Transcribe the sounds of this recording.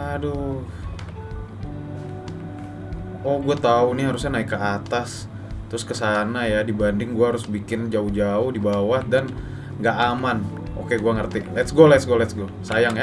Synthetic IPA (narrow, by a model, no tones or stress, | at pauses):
ado | ɔhɡuat̪aunɪɦaɾʊsɲanaɪkːəat̪as | t̪ɾʊskəsanajadibandɪŋɡuaɦaɾʊsbikɪnd͡ʒaʊhd͡ʒaʊhdibawahdan | ŋɡaʔaman | ʔokeɡuaŋərt̪ilɛt̪sɡolɛt̪sɡolɛt̪sɡosajaŋja